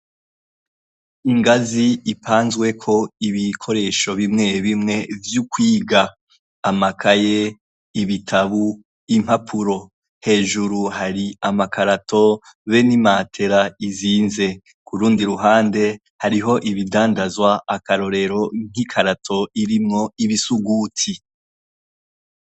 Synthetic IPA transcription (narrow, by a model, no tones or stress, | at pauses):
iŋɡaziːpʰaːnzɡwe̞kʰo̞iβikʰo̞ɾe̞ːʃo̞βimŋe̞βimŋe̞vjukwiːɡaː | makʰaje | iβitʰaβu | im̥hapʰuɾo̞ | he̞ːʒuɾuhaɾiamakʰaɾato̞ | βe̞nimaːtʰe̞ɾaiziːnze̞ | kuɾuːndiɾuɦaːnde̞ | haɾiɦo̞ʔiβidaːndazwaakaɾo̞ɾe̞ɾo̞ŋ̥ikʰaɾatʰo̞iɾimŋo̞iβisuɡuːtʰi